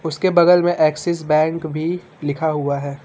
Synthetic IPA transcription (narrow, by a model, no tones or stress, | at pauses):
ʊskebɐdəlmẽʔɛːksɪs̬bɛ̃ːŋkbʱi | lɪkʰaɦuaɦɛː